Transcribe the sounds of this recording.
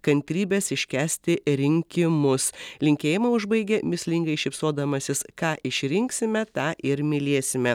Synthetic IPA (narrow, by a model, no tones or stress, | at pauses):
kɐnʲt̪ʲɾʲiːbʲɛsɪʃʲkʲæːsʲt̪ʲɪɾʲɪŋʲkʲɪmʊslʲɪŋʲkʲeːjɪmɐʊʒbɐɪɡʲemʲɪsʲlʲɪŋɡɐɪʃʲɪpsoːd̪ɐmɐsʲɪskɑːʔɪʃʲɾʲɪŋksʲɪmʲɛt̪ɑːʔɪɾmʲɪlʲiːsʲɪmʲɛ